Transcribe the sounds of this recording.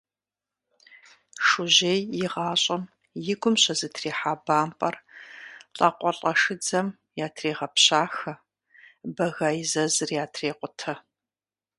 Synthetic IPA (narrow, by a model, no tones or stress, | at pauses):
ʂʊʑeːjjɪʁɑːɕʼɐm | jɪɡʷʊmɕɐzɨtʰreːħaːbaːmpʼɐr | ɬʼɐqʷʼɔɬʼɐʂɨd͡zɐm | jaːtʰreːʁɐpɕaːxɐ | bɐɣaːjzɐzɨrjaːtʰreːqʷʊtʰɐ